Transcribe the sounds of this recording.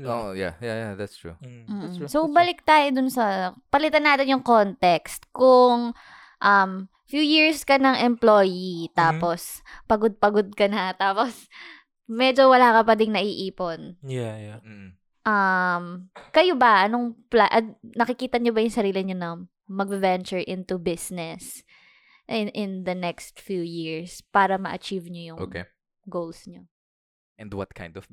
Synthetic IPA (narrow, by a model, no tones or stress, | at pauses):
ʔoʔoja̰jajaðat̪st̪ɹṵm̩sobɐlɪk̚t̪aːjod̪ʊnsɐpɐlɪt̪anːaːt̪ɪnjʊŋkont̪ɛkst̪̚kʊŋ | ʔɐm | fjuːjiɹskɐnɐŋʔɛmploːjit̪aːpo̞s | pɐɡod̪̚pɐɡod̪̚kɐnɐt̪aːpos | mɛd͡ʒowɐlaːkɐpɐd̪ɪŋnɐʔiʔiːponjaj̩ | ʔɐmkɐjobɐʔɐnoŋplaʔɐnɐkɪkiːt̪ɐɲobɐjʊŋsɐɾiːlɪɲonɐŋ | mɐɡ̚vɛnt͡ʃʊɹʔɪ̃nt̪ubɪsnɛs | ʔɪʔɪnd̪ɐnɛkst̪fjuːjɪɹspaːɾɐmɐʔɐt͡ʃivɲojʊʔo̰ːkḛ | ɡowlsɲo | ʔɛ̃nd̪wɐ̰t̪̚kʰã̰j̃nd̪ɔv